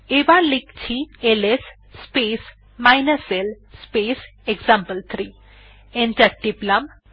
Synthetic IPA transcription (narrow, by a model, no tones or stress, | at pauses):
eʋalikt͡ɕʰieles | speːs | majnəsel | spesekzãmpəlt̪ʰɾiː | ẽntaɖiplam